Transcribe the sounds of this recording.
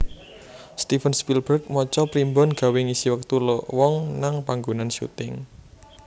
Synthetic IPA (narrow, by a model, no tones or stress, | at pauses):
st̪ifənspilb̥ərk̚mɔt͡ʃɔpɾimbɔnɡ̥a̤wɪŋisiwək̚t̪ulɔʔwɔŋnaŋpaŋɡunanʃṵt̪ɪŋ